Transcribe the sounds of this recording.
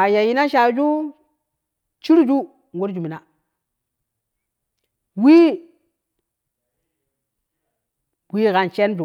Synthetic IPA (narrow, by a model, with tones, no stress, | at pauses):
a˨ja˨ji˦na˦ʃa˨˦d͡ʒu˦ | t͡ʃi˦ɾd͡ʒu˦ | ŋɡo˦ɾd͡ʒu˨mi˨na˨ | wi˦ | wi˦ɣa˨nt͡ʃe˦nd͡ʒu˨